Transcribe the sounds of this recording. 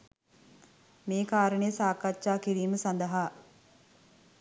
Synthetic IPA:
meːkaːɾəɳəjəsaːkaʃaːkiɾiːməsand̪əɦaː

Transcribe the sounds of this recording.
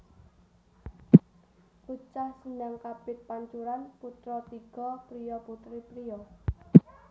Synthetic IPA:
kut͡ʃahsəɲaŋkab̥ɪt̪̚paɲt͡ʃuɾanput̪ɾɔt̪iɡ̥ɔpɾijɔput̪ɾipɾijɔ

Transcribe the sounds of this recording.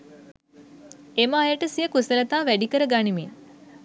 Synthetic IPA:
eməːjəʈəsijəkusələt̪aːʋæɖikəɾəɡanimi

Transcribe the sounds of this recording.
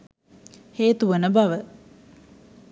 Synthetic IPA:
heːt̪uʋənəbaʋə

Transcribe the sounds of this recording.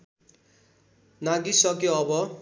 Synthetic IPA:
naɡisʌkjoʌbʌ

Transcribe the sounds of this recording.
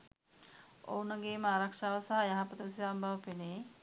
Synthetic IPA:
o̰unəɡeːməaːɾakʂaːʋəsaɦɐjaɦapət̪əsiambɐʋəpeneː

